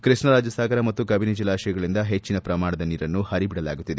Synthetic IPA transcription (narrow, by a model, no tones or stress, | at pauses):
kɾiʂɳɐɾaːd͡ʒjɐsaːɡɐɾɐmɐt̪ːukɐbined͡ʒilːaːʃɐjɐɡɐɭind̪ɐɦe̞t͡ʃːinɐpɾɐmaːɽɐd̪ɐniːɾɐnːuhɐɾibiɽɐla̰ːɡut̪ːid̪e